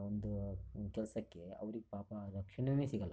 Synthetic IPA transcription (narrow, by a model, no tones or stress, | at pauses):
ond̪ukɛlɐsɐkːe̞ɐ̰ʋɐɾiɡepaːpɐɾɐkʂɐɳɐneːsiːɡɐl